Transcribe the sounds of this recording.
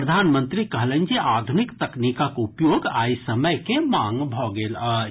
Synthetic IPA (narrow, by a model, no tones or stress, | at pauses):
əd̪ʱanmə̃nt̪ɾikəɦlənd͡ʒeʔad̪ʱunikt̪əknikakoupjoɡaisəməjkemaŋɡbʱɔɡelə